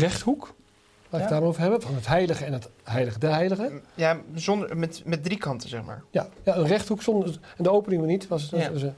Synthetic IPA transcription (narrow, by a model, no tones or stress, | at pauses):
rɛχthuk | laːɪkdaːmowvəɹɦɛbənvɑnɦətɦɛjləχəɛnətɦɛjləχədəɦɛjləχəjazɔndəmɛtmɛt̚drikɑntəzɛχma̰ːɹjajaənrɛχthuksɔndəɛndəowpənɪŋʋənitʋɑsətsə